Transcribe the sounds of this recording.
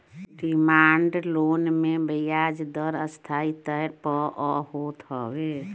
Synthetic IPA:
ɖimaːɳɖloːnmẽbəjaːd͡ʒd̪əɾəst̪ʰait̪əɾpɔʔɔhoːt̪ɦɔwe

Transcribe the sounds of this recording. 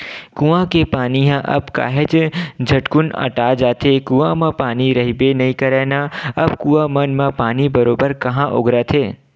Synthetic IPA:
kũʋãkepaːniɦãʔə̰bka̰ːɦed͡ʒd͡ʒʱəʈkʊnə̰ʈad͡ʒat̪ʰekuːãmãpaːniɾəɦibenəɦĩkəɾeːnaəbkuːãmənmãpaːnibəɾobəɾkɐɦãʔo̰ɡɾat̪ʰeː

